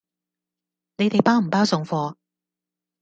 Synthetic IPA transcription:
ne˨˧jt̪e˨jpaː˥m̩˨˩paː˥wsʊ˨˧ŋfɔː˧

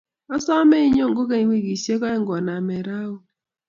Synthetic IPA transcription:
ɔ˦sɔ˦me˦i˦ɲo˦˨ŋɡo˦k̬e˦ɲ˦wi˦ɡi˨se˦kɔ˦ɛ˦ŋɡɔ˨na˨mɛ˨ɾa˦o˦

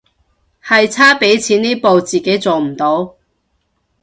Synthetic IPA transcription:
hɐ˨jt͡sʰaː˥pe˨˥jt͡sʰiː˨˥niː˥po˨˧wt͡siː˨ke˨˥jt͡so˨wm̩˨˩t̪o˨˥w

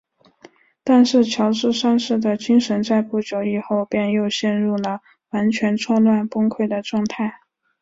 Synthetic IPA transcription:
t̪a˥˧nʂɻ̩˥˩t͡ɕʰjɑ˧˥ʊʈ͡ʂɻ̩˥˧ʂa˥˧nʂɻ̩˥˩d̪ə˩t͡ɕi˥ŋʂə˧˥nt͡sa˥˧ɪpu˥˩t͡ɕjo˧˥ʊi˥˩xo˥˧ʊpjɛ˥˧njo˥˧ʊɕjɛ˥˧nɻu˥˩lə˩ | wa˧˥nt͡ɕʰɥɛ˧˥nʈ͡ʂʰwɔ˥lwa˥˩npʊ˥ŋkʰwe˥˩ɪd̪ə˩ʈ͡ʂwɑ˥˧ŋt̪ʰa˥˩ɪ

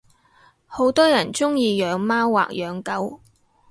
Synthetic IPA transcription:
ho˨˥wt̪ɔː˥jɐ˨˩nt͡sʊ˥ŋjiː˧jœː˨˧ŋmaː˥wːa̰ː˨k̚jœː˨˧ŋkɐ˥w

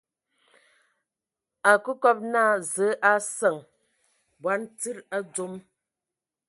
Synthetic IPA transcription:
a˨kə˦kɔ˦p̚na˦˨zə˨˦ʔa˦sə˨ŋ | bwa˨˦n˦t͡si˦ɾa˦d͡zo˦m

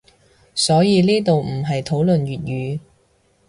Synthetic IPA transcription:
sɔː˨˥jiː˨˧liː˥t̪o˨wm̩˨˩ɦɐ˨jt̪ʰo˨˥wlɵ˨nɥyː˨t̚jyː˨˧

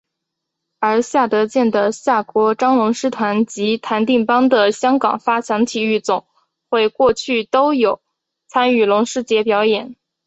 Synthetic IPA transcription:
ə˞˧˥ɕja˥˩t̪ɤ˧˥t͡ɕjɛ˥˩nd̪ə˩ɕja˥˩kwɔ˧˥ʈ͡ʂɑ˥ŋlʊ˧˥ŋʂɻ̩˥t̪ʰwa˧˥nt͡ɕi˧˥t̪ʰa˧˥nt̪i˥˩ŋpɑ˥ŋd̪ə˨ɕjɑ˥ŋkɑ̰˨˩ŋfa˥t͡ɕʰjɑ˧˥ŋt̪ʰi˨˩y˥˩t͡sʊ˨˩˦ŋ | xwe˥˧ɪkwɔ˥˧t͡ɕʰy˥˩t̪o˥ʊjo˨˩˦ʊ | t͡sʰa˥ny˥˩lʊ˧˥ŋʂɻ̩˥t͡ɕjɛ˧˥pjɑ˧˥ʊjɛ˨˩˦n

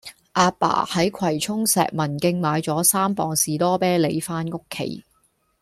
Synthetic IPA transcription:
ʔaː˧pa̰ː˨˩hɐ˨˥jkʰɐ˨˩jt͡sʰʊ˥ŋsɛ̰ː˨k̚mɐ˨˩nkɪ˧ŋmaː˨˧jt͡sɔː˨˥saː˥mpɔː˨˧ŋsiː˨˧t̪ɔː˥pɛː˥le˨˧jfaː˥nŋʊ˥kʰːḛ˨˩j

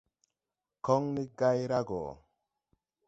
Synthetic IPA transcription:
kɔ˦ŋni˦ɡa˦jɾa˦ɡɔ̰˨

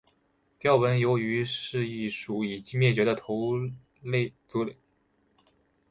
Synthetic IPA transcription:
t̪jɑ˥˩ʊwə˧˥njo˧˥ʊy˧˥ʂɻ̩˥˧ii˥˩ʂu˨˩i˨˩t͡ɕi˥ŋmjɛ˥˩t͡ɕɥɛ˧˥d̪ə˧t̪ʰo˧˥ʊ | le˥˩ɪt͡su˧˥li˨˩˦

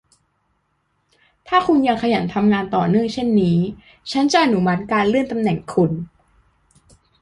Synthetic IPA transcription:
t̪ʰaː˥˩kʰu˧nja˧ŋkʰa˧ja˩˦nt̪ʰa˧mŋaː˧nt̪ɔː˨˩nɯ˥˩əŋt͡ɕʰe˥˩nːiː˦˥ | t͡ɕʰa˦˥nt͡ɕa˨˩ʔa˨nu˦ma˦˥t̪̚kaː˧nlɯ˥˩ənt̪a˧mnɛ˨˩ŋkʰu˧n

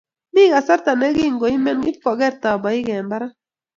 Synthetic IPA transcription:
ni˦ɡa˨sa˦ɾt̪a˨nɛ˦ɡi˦˨ŋɡo˨i˦mɛ˦ni˦pːɔ˨ɡɛ˦ɾt̪a˨ba˨i˦ɡɛ˨mba˦ɾa˦

